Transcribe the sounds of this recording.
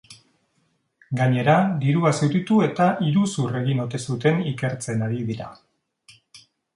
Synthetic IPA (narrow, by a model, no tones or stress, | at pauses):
ɡaɲe̞ɾad̪iɾuasewt̪it̪ue̞t̪aʔiɾusure̞ɣino̞t̪e̞sut̪e̞nike̞ɾt͡se̞naɾiβiða̰